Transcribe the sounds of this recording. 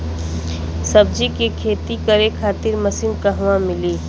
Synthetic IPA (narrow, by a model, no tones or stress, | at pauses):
sɐbd͡ʒikekʰeːt̪ikəɾekʰaːt̪ɪɾmɐsɪnkɐɦʋãmɪliː